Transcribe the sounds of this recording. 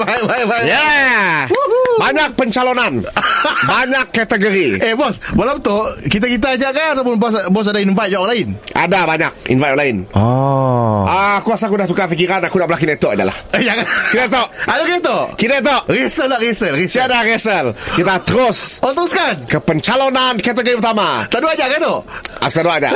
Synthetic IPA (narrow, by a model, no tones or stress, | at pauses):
bababaja | baɲak̚pəɲt͡ʃalonanbaɲakːat̪əɡoɾiʔebɔsbalamt̪oʔkit̪̬akit̪̬ad͡ʒaʔkaat̪awp̬ʊnbɔs̬bɔs̬adainfat̪̚d͡ʒaʔɔlaɪna̰dabaɲak̚ḭnvajt̪ɔlaɪnɔ | aːkuasakudahsukafikiɾanakunaʔbəlakinɛt̪ɔʔida̰la̰hjakakidat̪oʔadakinet̪oʔkidat̪̬oʔrisəlaʔɾisəlɾisiadaɾiɛsəlkit̪at̪əɾʊsɔt̪əɾʊskankəpəɲt͡ʃalonankat̪̬əɡoɾipərt̪amat̪aʔduad͡ʒaʔkat̪oʔa̰sit̪aduaʔd͡ʒa̰ʔʔ